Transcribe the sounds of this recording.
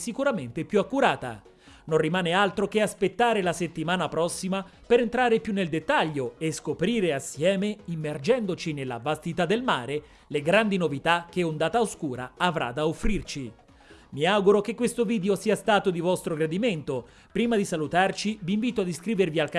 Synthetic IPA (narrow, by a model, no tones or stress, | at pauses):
sikuɾament̪epjuakːuɾaːt̪a̰ | nonrimaːnealt̪ɾok̟easpet̪ːaːɾelaset̪ːimaːnapɾɔsːimapeɾent̪ɾaːɾepjunːeld̪et̪ːaʎːoeskopɾiːɾeasːjɛːmeimːerd͡ʒɛnd̪ot͡ʃinelːa̰vast̪it̪ad̪ːelmaːɾe | leɡɾand̪inovit̪ak̟ːeond̪aːt̪aoskuːɾa̰ːvɾa̰d̪aofːɾirt͡ʃi | miawɡuɾok̟ekːwest̪oviːd̪eosiːast̪aːt̪od̪ivɔst̪ɾoɡɾad̪iment̪o | pɾiːmad̪isalut̪art͡ʃiviːɱviːt̪oad̪iskɾiːvervialk